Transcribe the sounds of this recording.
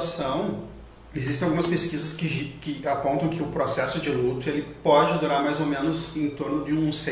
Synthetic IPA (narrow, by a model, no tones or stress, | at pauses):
sɐ̃w̃ | ezist̪ẽawɡũmɐspeskizɐskɪʒkɪapõnt̪ɐ̃w̃kʰɪʊpɾosɛsʊd͡ʒɪlut̪ʊelɪpɔd͡ʒɪod̪uɾaɾmajzomẽnʊzẽt̪oɾnʊd͡ʒɪũse